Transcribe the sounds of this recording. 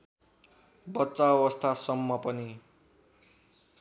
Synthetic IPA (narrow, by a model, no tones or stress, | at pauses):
bʌtːsaʌwʌst̪ʰasʌmːʌpʌni